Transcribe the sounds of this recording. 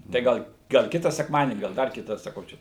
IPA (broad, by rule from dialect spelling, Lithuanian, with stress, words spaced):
tɐɪ ˈɡɐlˠ ɡɐlˠ ˈkʲɪtɐ sʲɛkˈmɑːdʲiɛnʲiː ɡɐlˠ ˈdɐr ˈkʲɪtɐ sɐˈkɐʊ ˈt͡ʃʲɛ